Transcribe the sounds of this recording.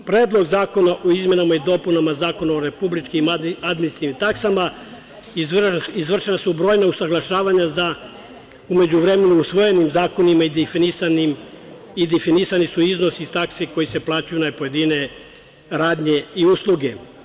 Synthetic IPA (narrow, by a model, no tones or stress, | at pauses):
pɾe̞ːd̪lˠo̞ɡzaːko̞naʔoizme̞namaid̪o̞punamazaːko̞naoɾepublit͡ʃkimad̪minsnimt̪aksama | iizʋr̩ʃenasubɾo̞jnausaɡlˠaʃaːʋaɲaza | ume̞d͡ʑuʋɾeme̞nuusʋo̞je̞nimzaːko̞nimaid̪fnisanim | id̪efinisanisuiznosiist̪akseko̞jise̞plˠaːt͡ɕujunapo̞je̞d̪ine̞ | ɾaːd̪ɲe̞iuslˠuɡe̞